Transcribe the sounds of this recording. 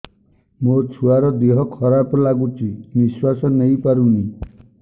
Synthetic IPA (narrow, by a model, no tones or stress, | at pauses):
mot͡ʃʰuaɾɔd̪iɦɔkʰɔɾapɔlaɡut͡ʃʰimiswasɔnejpaɾuni